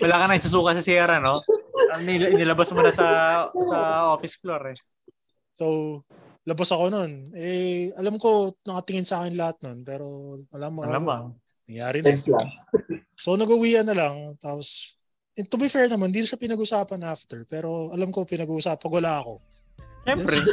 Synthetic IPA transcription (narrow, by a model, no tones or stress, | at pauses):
ɐlaːkɐnɐŋɪsɐs̬uːkɐsɐsjɛːɾɐno̞ɐmɪnɪlɐbasmonɐsɐsɐʔoːfɪsfloɾɛ | sow | lɐbasɐko̞no̞nɛʔɐlamko̞nɐkɐt̪ɪŋɪnsɐaːkɪnlɐhat̪̚no̞npɛːɾo̞mɐlamlamɐ | nɐŋjaːɾɪna | so̞nɐɡʊwiːʔɐnːɐlaŋt̪aːpos | ʔɪt̪ʊbɪfɛɹnɐmand̪iːnʊʃɐpɪnɐɡʊsaːpɐnʔaft̪ɛɹpɛːɾo̞ɐlamko̞pɪnɐɡuːʔʊsaːpɐɡʊlaɐko̞̰ | ʃɛmpɾɛ